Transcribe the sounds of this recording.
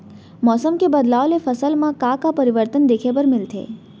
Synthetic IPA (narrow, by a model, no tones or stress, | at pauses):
mɔsəmkebəd̪laolefəsəlmãkãkapəɾiʋəɾt̪ənd̪ekʰepəɾmɪlt̪ʰḛː